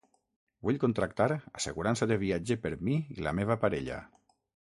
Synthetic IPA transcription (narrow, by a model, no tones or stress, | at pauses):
buʎkont̪ɾakt̪aɾaseɣuɾansaðeβ̞iad͡ʒepəɾmiḭla̰meβ̞apaɾeʎa̰